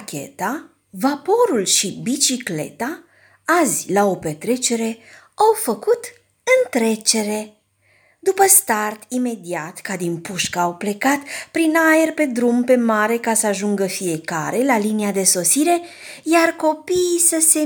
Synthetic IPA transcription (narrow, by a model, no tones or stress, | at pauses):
kʲe̞̰t̪a | vapo̞ɾulʃibit͡ʃikle̞̰t̪a | azʲlao̞pe̞t̪ɾe̞t͡ʃe̞ɾe̞ | awfəkut̪ | ɨnt̪ɾe̞t͡ʃe̞ɾe̞ | d̪upəst̪art̪ime̞d̪iat̪kad̪inpuʃkaːwple̞kat̪pɾinae̞rpe̞d̪ɾumpe̞maɾe̞kasəaʒuŋɡəfije̞ka̰ɾe̞laliniad̪e̞so̞siɾe̞ | jarko̞piːsəse̞